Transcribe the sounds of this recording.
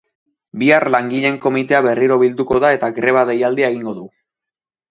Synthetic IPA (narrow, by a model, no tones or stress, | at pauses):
biarlaŋɡiʎe̞ŋko̞mit̪e̞aβe̞rʔiɾo̞βild̪uko̞ðae̞t̪aɡɾe̞β̞aðe̞jald̪iaeɣiŋɡo̞ðu